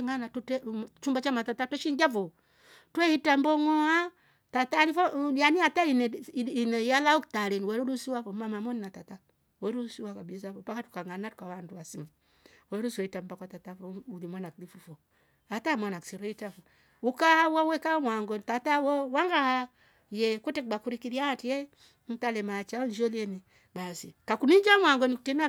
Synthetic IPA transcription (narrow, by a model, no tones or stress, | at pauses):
ŋanatutet͡ʃumbat͡ʃamatatatweʃiŋɡavo | tehitambɔŋɔa | tataɾifojaniataininejalauktaɾenweɾuɾusiwavomamamoninatata | weɾusiwakabisavopakatu̥kaŋanatu̥kawanduasima | wɛɾusoitambakwatatafɔulimwanaklifufɔ | atamwanaksiɾɔitafɔ | ukahawawɛkamwaŋɡɔnitatawɔwaŋɡaha | jɛkutek̚ɡ͡bakuɾikiɾiatijɛ | n̩talɛmat͡ʃand͡ʒɔliɛni | basikakunid͡ʒamwaŋɡɔnikutina